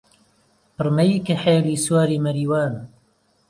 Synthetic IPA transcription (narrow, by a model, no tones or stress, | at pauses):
pɨrmɐjikɐħeːliːswaːɾiːmɐɾiːwaːn